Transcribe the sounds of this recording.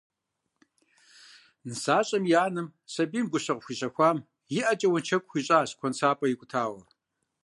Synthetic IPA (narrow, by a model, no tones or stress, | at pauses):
nɨsaːɕʼɐmjaːnɨmsɐbiːmɡʷʊɕɐqxʷiɕɐxʷaːm | jɪʔɐt͡ʃʼɐwɐnt͡ʃʰɐkʷʼxʷiɕʼaːɕkʷʰɔnsʰaːpʼɐjɪkʷʼʊtʰaːwɐ